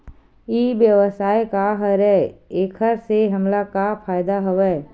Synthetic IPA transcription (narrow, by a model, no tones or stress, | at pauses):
iːbjəʋəsaːjkaɦɐɾɛeːkʰəɾseɦɐmlakapʰaːjd̪aɦɐʋɛ